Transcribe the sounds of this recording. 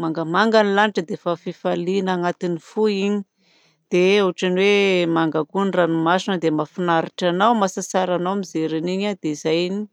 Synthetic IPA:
maŋɡəmaŋɡanilaniʈ͡ʂəd̪efafifalinaŋat̪inifuiɲi̥ | d̪̥euaʈ͡ʂaniwemaŋɡakunranumasinəd̪emafinaɾiʈ͡ʂanawmasasaɾanawmizeɾiniɲad̪̥eizajni̥

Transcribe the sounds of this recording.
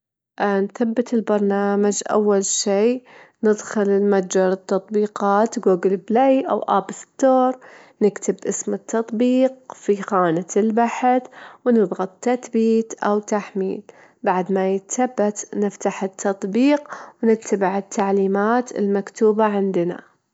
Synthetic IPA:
ʔnθabːɪt̪ɪlbɑɾˤnaːmad͡ʒʔa̰wːalʃeːnɪd̪xɪlɪlmad͡ʒɑɾˤɨt̪ːɑt̪ˤbiːqɑːt̪ɡuːɡɪlblejʔa̰wʔaːbst̪ːoːɾˤ | nɪkt̪ʰɪbʔɪsmɪt̪ʰːɑt̪ˤbiːqfixaːnɪt̪ɪlbaħθwnɨðˤɣɑt̪ˤt̪ːaθbiːt̪ʔawt̪aħmḭːl | baʕd̪majɪt̪aθabːat̪nɪft̪aħɪt̪ʰːɑt̪ˤbiːqwnɪtt̪ʰːabɪʕɪt̪ʰːaʕliːmaːt̪ɪ̰lmakt̪uːbaʕɪnd̪na̰

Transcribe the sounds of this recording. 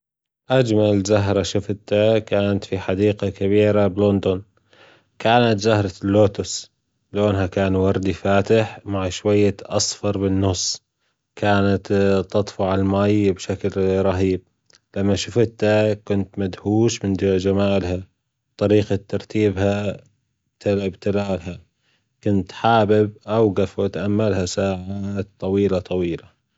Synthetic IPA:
ʔad͡ʒmalzaɦɾˤɑʃʊft̪akaːnat̪fiħad̪iːqakaβiːɾablond̪ʊn | kʰaːnat̪zahɾˤɑlːoːt̪ʊs | loːnɦakaːnwɑɾˤd̪ifaːt̪ɪħmaʕʃwajːaʔɑ̰sfɑɾˤbɪnːʊsˤː | kaːnat̪t̪ːɑt̪ˤfʊʕalmaːjbʃaklɾˤɑɦiːb̚ | lamːaʃʊfɪt̪hakʊnt̪mad̪huːʃmɪnad͡ʒamaːlɦa | bt̪ˤɑɾiːqat̪ːɑɾˤt̪iːbha | t̪albt̪ɪlaːlha | kʊnt̪ħaːbɪb̚ʔawɣafat̪ʔamːalhasaːʕat̪t̪ˤːɑwiːlat̪ˤɑwiːla

